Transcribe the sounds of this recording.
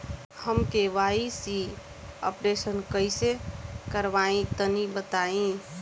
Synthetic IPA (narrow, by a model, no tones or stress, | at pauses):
həmkeʋaisi | ə̰pɾesənkəɪsekəɾʋaĩt̪ənibət̪aĩ